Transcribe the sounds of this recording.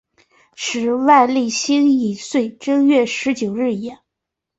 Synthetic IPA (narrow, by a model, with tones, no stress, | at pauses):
ʂɻ̩˨˧˥wa˥˧ɪli˥˩ɕi˥ŋi˨˩swe˥˩ɪʈ͡ʂɤ˥ŋɥɛ˥˩ʂɻ̩˧˥t͡ɕjo˨˩ʊɻɻ̩˥˩i˨˩ɛ˧˩˦n